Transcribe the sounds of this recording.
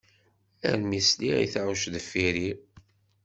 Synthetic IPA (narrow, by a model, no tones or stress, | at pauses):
æ̰ɾmisliḭθaʕuʃðəfːiɾi